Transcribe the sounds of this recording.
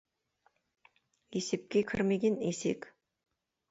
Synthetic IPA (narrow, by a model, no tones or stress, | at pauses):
esep̚kʲekʲʰɪɾmeɡʲenesḛk